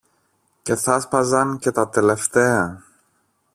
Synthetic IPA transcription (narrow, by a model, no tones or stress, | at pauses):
ce̞θɐspɐzɐnce̞t̪ɐt̪e̞le̞ft̪e̞ɐ